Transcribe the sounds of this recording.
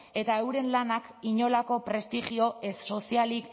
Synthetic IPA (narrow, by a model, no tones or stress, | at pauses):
e̞t̪aewɾe̞nlanakiɲo̞lako̞pɾe̞st̪iʝio̞ʔesːo̞sialik